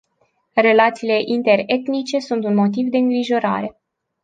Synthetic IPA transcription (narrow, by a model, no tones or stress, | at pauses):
re̞lat̪siːle̞ʔint̪e̞re̞t̪nit͡ʃe̞sunt̪unmo̞t̪ivd̪e̞ɨŋɡɾiʒo̞ɾa̰ɾe̞